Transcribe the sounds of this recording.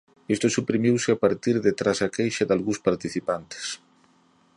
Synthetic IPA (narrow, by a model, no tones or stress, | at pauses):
est̪osupɾimiwsɪapaɾt̪iɾðet̪ɾasakejʃaðalɣũspaɾt̪iθipant̪e̥s